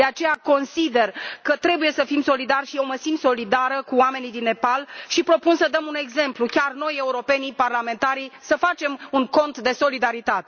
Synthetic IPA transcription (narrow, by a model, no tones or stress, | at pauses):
d̪eat͡ʃe̞jako̞nsid̪e̞rkət̪ɾe̞buje̞səfimso̞lid̪arʃio̞məsinso̞lid̪aɾəkuwame̞nid̪inːe̞palʃipɾo̞punsəd̪əmune̞ɡze̞mplukʲarno̞je̞uɾo̞pe̞niparlame̞nt̪aɾisəfat͡ʃe̞muŋko̞nt̪d̪e̞so̞lid̪aɾit̪at̪e